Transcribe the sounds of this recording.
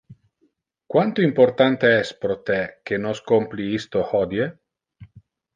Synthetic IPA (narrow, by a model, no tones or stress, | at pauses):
kwant̪oimpoɾt̪ant̪eɛspɾot̪ek̟enoskompliist̪ohɔd̪je